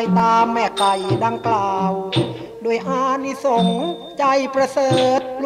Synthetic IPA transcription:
jt̪aː˧mːɛː˧˩ka˨˩jdaː˧ŋklaː˨˧˩w | doː˧˩əjʔaː˧˥˩ni˧˩so˨˦ŋ | t͡ɕa˧˩jpɾa˧sɤː˨˩˨t̪̚l

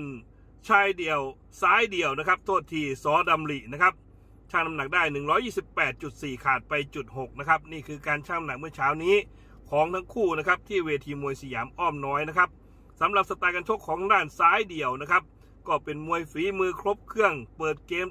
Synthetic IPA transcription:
n | t͡ɕʰaː˧jdi˨˩əw | saː˦˥jdi˨˩əwna˦˥kʰa˦˥p̚t̪ʰoː˥˩t̪ʰːiː˧˥˩sɔː˨˦da˧mli˨˩ʔna˦˥kʰa˦˥p̚ | t͡ɕʰaː˧˥˩ŋna˧mna˨˩k̚daː˥˩jnɯ˨˩ŋɾɔː˦˥jːiː˥˩si˨˩pːɛː˨˩t̪̚t͡ɕu˨˩t̪̚siː˨˩kʰaː˨˩t̪̚pa˧jt͡ɕu˨˩t̪̚ho˨˩k̚na˦˥kʰa˦˥p̚niː˥˩kʰɯː˧kaː˧nt͡ɕʰaː˥˩ŋna˧na˨˩k̚mɯ˥˩ɐt͡ɕʰaː˦˥wniː˦˥ | kʰɔː˩˦ŋt̪ʰa˦˥ŋkʰuː˥˩na˦˥kʰa˦˥p̚t̪ʰiː˥˩weː˧t̪ʰiː˧mu˧əjsa˧jaː˩˦mʔɔː˥˩mnɔː˦˥jna˦˥kʰa˦˥p̚ | sa˨˦mɾa˨˩p̚sa˧t̪aː˧jka˧nt͡ɕʰo˦˥kʰːɔː˩˦ŋdaː˥˩nsaː˦˥jdi˨˩əwna˦˥kʰa˦˥p̚ | kɔː˥˩pe˧nmu˧əjfiː˨˩˦mɯː˧kʰɾo˦˥p̚kʰɯ˥˩əŋpɤː˨˩t̪̚keː˧m

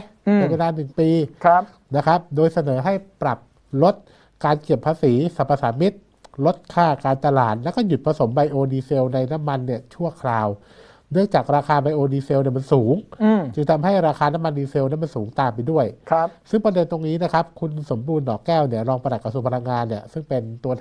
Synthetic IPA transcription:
eː˧nweː˧laː˧nɯ˨˩ŋpiː˧˦˥ | na˦˥kʰa˦˥p̚doː˧jsa˧nɤː˩˦ɦa˥˩jpɾa˨˩p̚ | lo˦˥t̪̚ | kaː˧nki˨˩əpʰːaː˧siː˩˦sa˨˩pːa˧saː˩˦mi˦˥t̪̚ | lo˦˥t̪̚kʰaː˥˩kaː˧nt͡ɕ̪a˧la̰ː˨˩t̪̚lɛ˦˥wkɔː˥˩ju˨˩t̪̚pʰa˧so˩˦mba˧jʔoː˧niː˧se˧wna˧jna˦˥mːa˧nːi˥˩ɐt͡ɕʰu˥˩ɐkʰlaː˧w | nɯ˥˩əŋt͡ɕaː˨˩k̚ɾaː˧kʰaː˧ba˧jʔoː˧niː˧se˧wni˥˩ɐma˧nsuː˩˦ŋ˧t͡ɕɯ˧ŋt̪ʰa˧mɦa˥˩jɾaː˧xʰaː˧na˦˥mːa˧nːiː˧se˧wna˦˥˩ma˧nsuː˩˦ŋt̪aː˨˩mp̬a˧jdu˥˩əjʰsɯ˥˩ŋpɾa˧de˧nt̪o˧ŋniː˦˥na˦˥kʰa˦˥p̚kʰu˧nso˩˦mbuː˧nːɔː˨˩kɛː˥˩wni˥˩ɐɾɔː˧ŋpa˧na˨˩t̪̚ka˧su˧pʰla˧ŋːaː˧nːi˥˩ɐsɯ˥˩ŋpe˧nt̪u˧ɐ

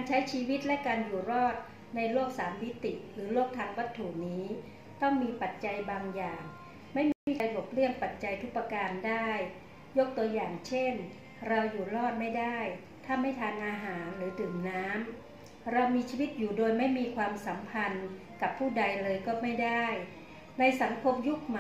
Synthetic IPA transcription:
kaː˧nt͡ɕʰa˦˥jt͡ɕʰiː˧wi˦˥t̪̚lɛ˦˥kaː˧njuː˨˩ɾɔː˥˩t̪̚ | na˧jloː˥˩k̚saː˩˦mːi˦˥t̪i˨˩ʔɾɯː˩˦loː˥˩k̚t̪ʰaː˧ŋwa˦˥t̪ʰːu˨˩niː˦˥ | t̪ɔ˥˩ŋmiː˧pa˨˩t̪̚t͡ɕa˧jbaː˧ŋjaː˨˩ŋ | ma˥˩jm˥iː˥˩a˧jlo˨˩p̚lɯ˥˩əŋpa˨˩t̪̚t͡ɕa˧jt̪ʰu˦˥pːa˧kaː˧ndaː˥˩j | jo˦˥k̚t̪u˧ɐjaː˨˩ŋt͡ɕʰe˥˩n | ɾa˧wjuː˨˩lɔː˥˩t̪̚ma˥˩jdaː˥˩j | t̪ʰaː˥˩ma˥˩jt̪ʰaː˧ŋʔaː˧ɦaː˩˦nɾɯː˩˦dɯː˨˩mnaː˦˥m | ɾa˧wmiː˧t͡ɕʰiː˧wi˦˥t̪̚juː˨˩doː˧jma˥˩jmiː˧kʰwaː˧msa˩˦mpʰa˧n | ka˨˩pʰːuː˥˩da˧jlɤː˧jkɔː˥˩ma˥˩jda˥˩j | na˧jsa˩˦ŋkʰo˧mju˦˥k̚m

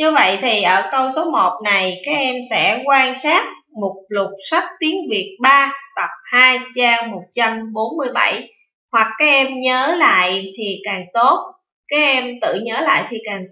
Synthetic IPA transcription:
ɲɨ˧və̰˧˨jt̪ʰi˨˩ʔəː˧˩kə˧wso˨˦mo˨˩t̚na˨˩jkaː˨˦jk̚ʔɛ˧msɛ̰˧˥kwaː˧nsaː˦˥t̚ | mo˨˩t̚lʊ˨˩k͡p̚sa˦˥k̚t̪i˨˦əŋvi˨˩ət̚ɓaː˧t̪ə˨˩p̚haː˧jt͡ɕaː˧mo˨˩t̚t͡ɕa˧mɓo˨˦nmɨ˧əjɓa˧˩j | hwa˨˩kːaː˨˦jʔɛ˧mɲəː˨˦la̰ː˧˨jt̪ʰi˨˩kaː˨˩ŋt̪o˦˥t̚ | kaː˨˦˥jʔɛ˧mt̪ɨ̰˧˨ɲəː˨˦la̰ː˧˨jt̪ʰi˨˩kaː˨˩ŋ

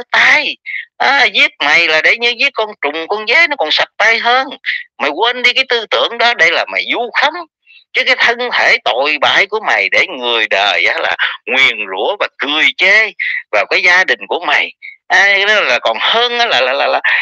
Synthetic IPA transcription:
t̪aː˧jʔaː˨˦zi˦˥ət̚ma˨˩jlaː˨˩ɗe˧˩ɲɨ˧zi˦˥ət̚kɔ˧nt͡ɕʊ˨˩ŋ͡mkɔ˧nzaː˨˦jnɔ˨˦kɔ˨˩nsa˨˩t̚t̪a˧jɦəː˧nma˨˩jkwə˧nɗi˧kaː˨˦jt̪ɨ˧t̪ɨ˧˩˨əŋɗɔ˨˦ɗə˧jlaː˨˩ma˨˩jzu˧xa˨˦m | t͡ɕɨ˨˦kaː˨˦jt̪ʰə˧nt̪ʰe˧˩t̪o̰˧˨jɓaː˧˩jku˧˩əma˨˩jɗe˧˩ŋɨ˨˩əjɗəː˨˩jʔaː˨˦la̰ː˨˩ŋwi˨˩ənzṵ˧˥əvaː˨˩kɨ˨˩əjt͡ɕe˧vaː˨˩wkaː˨˦jzaː˧ɗï˨˩ŋ̟ku˧˩əma˨˩jʔaː˧˨˦laː˨˩kɔ˨˩nhəː˧nʔaː˨˦laː˨˩laː˨˩laː˨˩laː˨˩

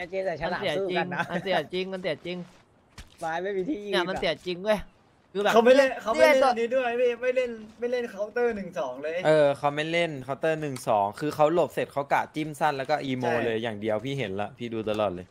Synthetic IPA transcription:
t͡ɕi˧˨˩si˩˦˥t͡ɕi˧ŋ˦˥ma˧nsi˨˩ət̪̚t͡ɕi˧ŋma˧nsi˨˩ə˩t̪̚t͡ɕi˧ŋ | waː˧jma˥˩jmiː˧t̪ʰiː˥˩nː˨ɛ˧˥˩ma˧ni˨˩ə˩t̪̚t͡ɕi˧ŋdu˥˩əj | kʰɯː˧bɛː˨ka˦˥wma˥˩le˥˩kʰa˦˥wa˥˨niː˦˥du˥˩əjla˥˩ma˥˩jle˥˩nma˥˩jle˥˩nkʰa˦˥wt̪ɤː˥˩nɯ˨˩ŋsɔː˩˦ŋlɤː˧jʔɤː˧kʰa˦˥wma˥˩jle˥˩nkʰa˦˥wt̪ɤː˥˩nɯ˨˩ŋsɔː˩˦ŋkʰɯː˧xʰa˦˥wlo˨˩p̚se˨˩t̪̚kʰa˦˥wkaː˨˩t͡ɕi˥˩msa˥˩nlɛ˦˥wkɔː˥˩ʔiː˧moː˧lɤː˧jjaː˨˩ŋdi˧əwpʰiː˥˩ɦe˩˦nla˨˩pʰiː˥˩duː˧t̪a˧lɔː˨˩t̪̚lɤː˧j

